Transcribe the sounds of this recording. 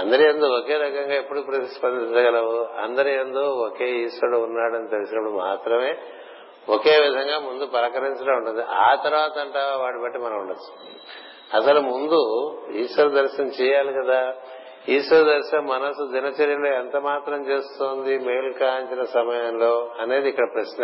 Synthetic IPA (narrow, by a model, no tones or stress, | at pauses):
ɐnd̪ɐɾiend̪oːoke̞ːɾɐkɐŋɡaːepːuɽupːuɽuspɐnd̪int͡ʃɐɡɐlɐʋuɐ̰nd̪ɐɾiend̪oːokeːiːsʋɐɽounːaːɽɐnit̪elisinɐpːuɽuma̰ːt̪ɾɐme̞ː | oke̞ːʋid̪ʱɐŋɡaːmund̪upɐɾɐkɐɾiɲt͡ʃɐɡaːuɳʈund̪iʔaːt̪ɐɾuʋaːt̪ɐɐɳʈaːʋaːɽibɐʈːimɐnɐmuɳɖɐt͡ʃːu̥ | ɐsɐlumund̪uiːsʋɐɾɐd̪ɐɾʃɐmt͡ʃɛːjaːlikɐd̪aː | iːʂʋɐɾɐd̪ɐɾʃɐmːɐnɐsud͡ʒ̪ɐnɐt͡ʃɐɾjɐloːent̪ɐmaːt̪ɾɐmt͡ʃe̞ːst̪oːnd̪imejlkaːɲt͡ʃinɐsɐmɐjɐmlo̞ːɐne̞ːd̪iːkːɐɽɐpɾɐʃnɐ